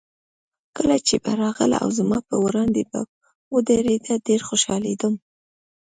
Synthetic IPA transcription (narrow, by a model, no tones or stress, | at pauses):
kəlat͡ʃebaɾɑɣəla̰ʔa̰wzamɑpəwɾɑnd̪eba̰ | wəd̪aɾed̪aɖeɾxoʃɑled̪um